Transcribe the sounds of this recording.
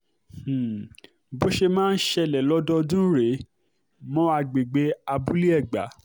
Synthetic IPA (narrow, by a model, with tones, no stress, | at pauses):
h̩˨ | bo˦ʃe˧mãː˦n̩˦ʃɛ˧lɛ˨lɔ˦dɔ˦dũ˦ɾe˨˦ | mɔ̃˦a˧ɡ͡be˨ɡ͡be˧˦a˧bu˦li˦ɛ˦˨ɡ͡ba̰˨˦